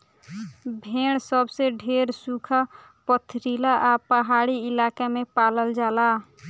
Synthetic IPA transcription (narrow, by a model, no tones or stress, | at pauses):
bʱeːɽ̃səbseɖʱeɾsukʰa | pət̪ʰɾilaʔapəɦaɽiɪlakemepaːləld͡ʒaːla